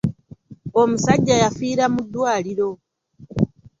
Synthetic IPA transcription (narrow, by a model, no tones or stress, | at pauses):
omusaɟːajafiːɾamud̪ːwaːliɾo̞